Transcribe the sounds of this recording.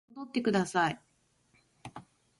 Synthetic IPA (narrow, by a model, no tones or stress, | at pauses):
od̪o̞t̪ːe̞kɯ̟d̪asai